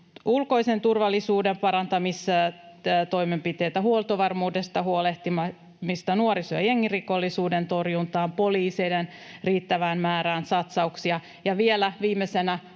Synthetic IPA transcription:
ulkoijse̞nt̪urʋɑlːisuːdempɑɾɑnt̪ɑmis | t̪o̞ime̞mpit̪e̞ːt̪æɦuolt̪oʋɑrmuːdest̪ɑɦuoleht̪imɑ | mist̪ɑnuoɾisoɑje̞ŋːiriko̞lːisuːdent̪o̞rjunt̪ɑːmpo̞liːsejden | riːt̪ːæʋæːnmæːɾæːnsɑt̪sɑuksiɑ | jɑʋielæʋiːmːesenæ

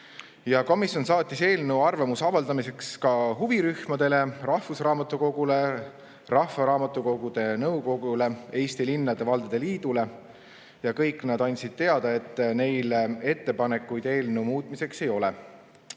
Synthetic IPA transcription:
jɑko̞misʲjo̞nsɑːt̪ʲːˑise̞ːlnewɑrvemusɑvɑld̪̥ɑmise̞kskɑɦuviɾyhmɑd̪̥e̞le̞rɑhvusrɑːmɑt̪ːˑuko̞ɡ̥ule̞ | rɑhvɑɾɑːmɑt̪ːˑuko̞ɡ̥ud̪̥e̞nɤwko̞ɡule̞e̞ːst̪ilinːɑd̪̥e̞vɑld̪̥ed̪̥e̞liːd̪̥ule̞ | jɑkɤjkːˑnɑd̪ɑnʲt̪ʲsid̪̥̚t̪e̞ɑd̪̥ɑe̞t̪ːˑne̞jle̞t̪ːe̞pɑne̞kːˑujd̪̥e̞ːlnewmuːt̪̚ˑmise̞kse̞jo̞le

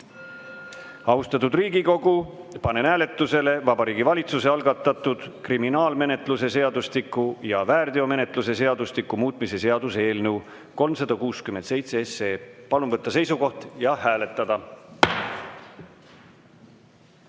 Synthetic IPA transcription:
ɑust̪ɑt̪ud̪riːɡiko̞ɡ̥u | pɑne̞næːle̞t̪ːˑuse̞le̞vɑbɑɾiːɡivɑlʲit̪suse̞ɑlɡɑt̪ːˑɑt̪ːˑud̪̥kriminɑːlme̞ne̞t̪ˑlus̬e̞se̞ɑd̪ust̪ikːˑujɑvæːrd̪io̞me̞ne̞t̪ˑlus̬e̞s̬e̞ɑd̪ust̪ikːˑumuːt̪ːˑmise̞se̞ɑd̪use̞ːlnəw | ko̞lmsɑd̪̥ɑkuːskymend̪sejt̪seese̞ːpɑlumvɤt̪ˑːɑse̞jsuko̞ht̪jɑhæːle̞t̪ːˑɑd̪̥ɑ

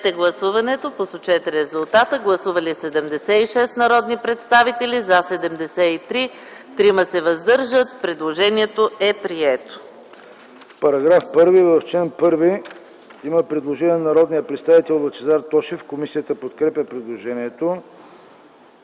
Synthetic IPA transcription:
ɛt̪ɛɡlˠɐsuvɐnɛt̪oposot͡ʃɛt̪ɛɾɛzulˠt̪at̪əɡlˠɐsuvəlisɛd̪ɛmd̪ɛsɛiʃɛst̪nɐɾɔd̪nipɾɛt̪st̪avit̪ɛlizasɛd̪ɛmd̪ɛsɛit̪ɾi | t̪ɾiməsɛvɐzd̪ɤɾʒət̪̚pɾɛd̪lˠoʒɛniɛt̪oɛpɾiɛt̪o̥ | pɐɾɐɡɾafpɤɾvivɐft͡ʃɛnpɤɾvi | iməpɾɛd̪lˠoʒɛniɛnɐɾɔd̪nijəpɾɛt̪st̪avit̪ɛlˠvət͡ʃɛzaɾt̪ɔʃifkomisijət̪əpot̪kɾɛpʲəpɾɛd̪lˠoʒɛniɛt̪o

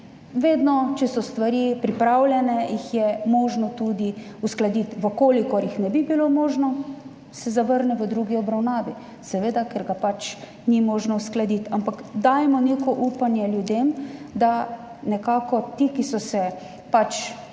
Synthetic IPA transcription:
ʋeːd̪nɔt͡ʃɛsɔst̪ʋaɾipɾipɾaːwljɛnɛjixjɛmɔːʒnɔt̪uːd̪iusklad̪it̪ʋəkoːlikɔɾjixnɛbibilomɔːʒnɔ | sɛzaʋəɾnɛʋəd̪ɾuɡiɔbɾawnaːʋi | sɛʋeːd̪akɛɾɡapat͡ʃ | nimɔːʒnɔusklad̪it̪ampakd̪aːjɛmɔneːkɔʔuːpanjɛljud̪emd̪a | nɛkaːkɔt̪ikisɔsɛ | pat͡ʃ

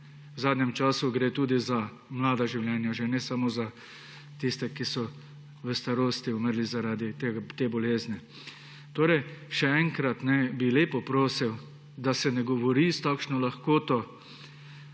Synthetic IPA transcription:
wzaːd̪njɛmt͡ʃaːsuɡɾeːt̪uːd̪iza | mlaːd̪aʒiwljɛnjaʒɛnɛsamoza | t̪ist̪ɛkisɔ | ʋəst̪aɾoːst̪iuməɾlizaɾaːd̪it̪eɡat̪ebɔleːzni | t̪oːɾɛjʃɛɛŋkɾat̪nɛbileːpɔpɾoːsiw | d̪asɛnɛɡɔʋɔɾist̪akʃnɔlaxkoːt̪ɔ

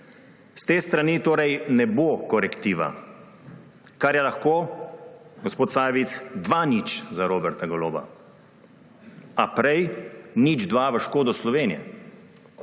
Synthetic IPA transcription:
st̪eːst̪ɾanit̪oːɾɛjnɛboːkɔɾɛkt̪iːʋa̰ | kaɾjɛlaxkoː | ɡospoːt̪saːjʋit̪sd̪ʋanit͡ʃzaɾoːbɛɾt̪aɡɔloːba̰ | apɾɛjnid͡ʒd̪ʋaʋəʃkoːd̪ɔslɔʋeːnijɛ̰

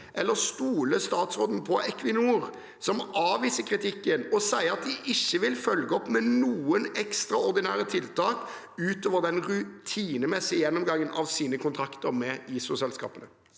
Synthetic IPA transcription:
ʔɛlːəɾst̪uːləst̪ɑːt̪sʁoːd̪n̩pʰɔʔɛkʰʋɪnuːɾ | sɔmɑːʋiːsəkʰɾɪt̪ʰɪkːənɔsæɪəʁɑt̪̚d̪ɪʔɪçːəʋɪlfœlɡəɔpːmɛnuːənɛkst̪ɾɑɔɾd̪ɪnæːɾət̪ʰɪlt̪ʰɑːk | ʉːt̪oːʋəɾd̪ɛnɾʉt̪ʰiːnəmɛsɪəjɛnːɔmɡɑŋːənʔɑʋsiːnəkʊnt̪ʰɾɑkt̪əɾmɛiːsʊsɛlskɑ̰ːpənə

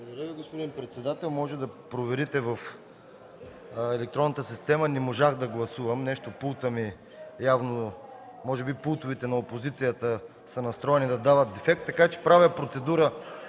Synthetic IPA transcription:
d̪ɐɾəviɡospod̪inpɾɛt̪sɛd̪at̪ɛlˠmɔʒɛd̪ɐpɾovɛɾit̪ɛvɐf | ɛlɛk̚t̪ɾɔnːət̪əsist̪ɛmənɛmoʒaxd̪ɐɡlˠɐsuvɐmnɛʃt̪opulˠt̪əmi | javnomɔʒɛbipulˠt̪ovit̪ɛnɐopozit̪sijət̪ə | sənɐst̪ɾɔɛnid̪ɐd̪avət̪̚d̪ɛfɛkt̪ːɐkat͡ʃɛ̥pɾavəpɾot̪sɛd̪uɾə

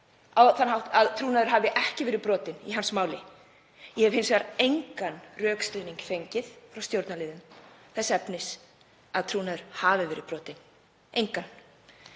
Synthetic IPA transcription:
awθanɦawht̪aðt̪ʰɾuːnaðʏɾ̥ɦavɪʔɛhcɪvɪːɾɪpɾɔːt̪ɪniɦansmaːwlɪ | jɛhɛvɪnsɛaɾejŋkanrœːkst̪ɾeniŋkfejɲcɪθfɾawst̪jowɾt̪nalɪːðʏmθɛsːaɛpnɪs | aðt̪ʰɾuːnaðʏɾ̥haːvɪvɪːɾɪðpɾɔːt̪ɪn | ejŋkan

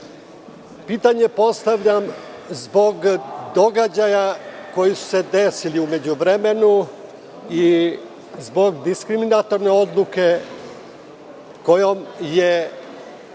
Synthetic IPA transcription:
piːt̪aɲe̞po̞st̪aʋʎamzbo̞ɡd̪o̞ɡad͡ʑajako̞jisu̥se̞d̪e̞siliume̞d͡ʑuʋɾeme̞nu | i | zbo̞ɡd̪iskɾiminat̪o̞ɾne̞o̞d̪lˠuke̞ | ko̞jo̞mje

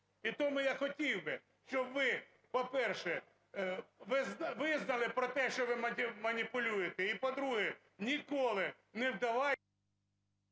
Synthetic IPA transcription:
it̪ɔmʊjaxɔtʲiwbɪ | ʃt͡ʃɔbʋɪ | pɔpɛrʃɛ | ʋɪznʋɪznɐlˠɪpɾɔt̪ɛʃt͡ʃɔʋɪmɐmɐnʲipʊlʲujet̪ɛipɔd̪ɾuɦɛ | nʲikɔlˠɪ | nɛwd̪ɐʋɑ

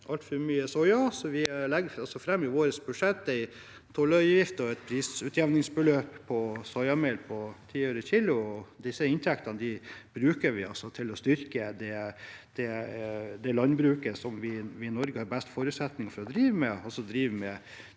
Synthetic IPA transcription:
ʔɑlt̪fɔɾmyːəsɔjɑsɔʋɪlɛɡɑlsɔfɾɛmːɪʋoːɾəsbʉʂɛt̪ːɛɪ | t̪ʰɔlœʏjɪft̪ɔɛt̪pʰɾiːsʉt̪ʰjɛʋnɪŋsbəløːppʰːɔsɔʏjɑmeːlpʰɔt̪ʰiːøːɾəçiːlʊɔd̪ɪsːəɪnt̪ʰɛkt̪ɑnəd̪ɪb̥ɾʉːkəɾʋɪɑ̰lsɔt̪ʰɪlɔst̪ʏɾkəd̪ɛd̪̥ɛ | d̪ɛlɑnbɾʉːkəsɔmʋɪʋɪnɔɾɡəhɑɾbæst̪fɔːɾʉt̪sɛt̪nɪŋfɔɾɔd̪ɾiːʋəmɛɔsɔd̪ɾiːʋəmɛ

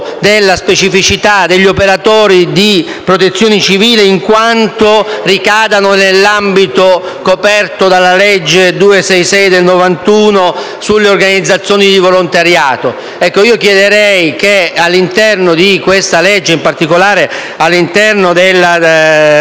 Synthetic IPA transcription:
d̪elːaspet͡ʃifit͡ʃit̪ad̪eʎːiopeɾat̪ɔːɾid̪i | pɾot̪̬et̪sːjoːnet͡ʃiviːleiŋkwant̪orikaːd̪anonelːambit̪o | kopɛrt̪od̪alːaled͡ʒːed̪uːesɛjsɛjd̪elnovant̪uːno | sulːeorɡanid̪zːat̪sːjoːnid̪ivolont̪aɾjaːt̪o | ɛkːoiːokjɛd̪eɾɛjkealːint̪ɛrnod̪ikwest̪aled͡ʒːeimpart̪ikolaːɾe | alːint̪ɛrnod̪elːa

